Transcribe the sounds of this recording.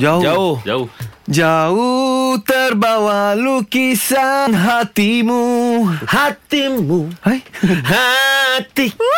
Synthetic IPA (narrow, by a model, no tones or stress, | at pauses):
d͡ʒaoaod͡ʒad͡ʒaut̪ərbawalukisanɦat̪imuhat̪imuhajhat̪i